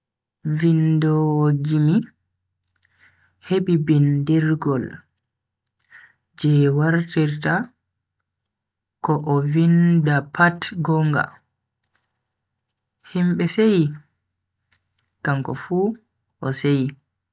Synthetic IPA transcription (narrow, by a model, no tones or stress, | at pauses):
vindɔɡimi | heɓibindiɾɡɔl | d͡ʒɛwaɾtiɾta | kɔʔɔvindapʰatɡɔŋɡa̰ | himɓɛseji | kamkɔ̰fuː | ʔɔseji